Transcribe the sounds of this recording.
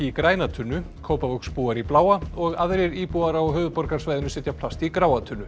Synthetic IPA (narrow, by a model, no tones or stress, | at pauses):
ikɾaːjnat̪ʰʏnːʏ | kʰoːwpavœkspuːaɾiplaːwaɔɣaðɾɪɾiːpuaɾawɦœːvʏpɔɾkaɾ̥svaːjðʏnʏsɛːt̪jap̪ʰast̪ikɾaːwat̪ʰʏnːʏ